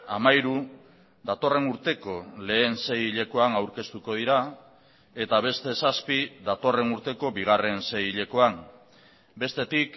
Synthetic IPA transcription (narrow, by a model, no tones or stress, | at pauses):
amajɾu | d̪at̪o̞re̞nuɾt̪e̞ko̞le̞ːnse̞jiʎe̞ko̞anawɾke̞st̪uko̞ð̞iɾa | e̞t̪aβ̞e̞st̪e̞saspiðat̪o̞re̞nuɾt̪e̞ko̞biɣ̞are̞nse̞jiʎe̞ko̞an | be̞st̪e̞t̪ik